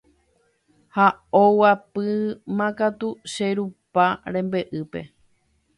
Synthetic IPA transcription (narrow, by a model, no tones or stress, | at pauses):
haowapɨmãkat̪uʃeɾupaɾẽ̞mbe̞ʔɨpe̞̰